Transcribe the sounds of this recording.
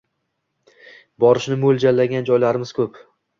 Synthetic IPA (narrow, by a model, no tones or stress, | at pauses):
bɒɾɪʃnɪmold͡ʒalːaɡʲand͡ʒɒjlaɾɪmɪz̥kʲʰɵp